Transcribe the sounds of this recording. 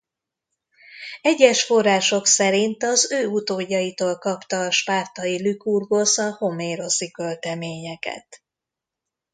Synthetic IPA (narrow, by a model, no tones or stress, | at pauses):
ɛɟːɛʃfo̞rːaːʃo̞ksɛɾint̪ɒzøːut̪oːɟːɒjit̪oːlkɒpt̪ɒːʃpaːrt̪ɒjilykurɡo̞sɒho̞meːɾo̞sikølt̪ɛmeːɲɛkɛ̰t̪